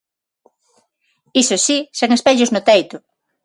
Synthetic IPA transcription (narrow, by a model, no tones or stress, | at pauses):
isosiseŋespeʎʊznʊt̪ejt̪ʊ